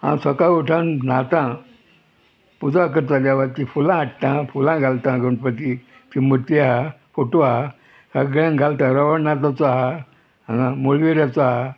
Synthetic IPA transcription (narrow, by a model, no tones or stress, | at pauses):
ã̰səkajuʈʰãnnat̪ã | pud͡zak̬əɾt̪aljaʋat̪ifulãːʈt̪ãfulãɡalt̪ãɡəɳpət̪i | t̪imət̪iaɦafoʈoaɦa | səɡɭãɡʱalt̪ãɾəʋəɳnat̪ãt͡sɔaɦã | ãmolʋeɾjat͡sɔaɦa